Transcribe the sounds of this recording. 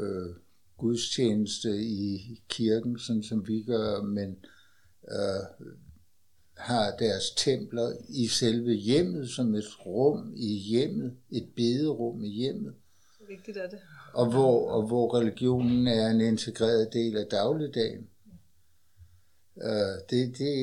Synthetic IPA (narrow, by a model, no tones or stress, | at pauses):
ø | ɡ̥uðˠst͡ɕʰeːnəsd̥əikʰiɐɡ̥n̩sɒ̽nsɒ̽mʋiɡ̥ɶːmen | hɑ̈d̥æɐst͡sʰem̰b̥lɐiselʋəjem̰ð̩ˠsɒ̽me̝d̥ʁɔ̽m̰ijem̰ð̞̩ˠe̝d̥̚b̥e̝ːðˠəʁɔ̽m̰ijem̰ð̩ˠ | ʔɒ̽ʋɒʋɒʁɛliɡ̥jo̝̰ːnn̩æɐe̝ne̝nt͡sʰe̝ɡ̥ʁɛ̰ːɐð̞ˠd̥e̝̰ːlæd̥ɑ̈ʊlid̥ɛ̰ːɪn | d̥e̝d̥e̝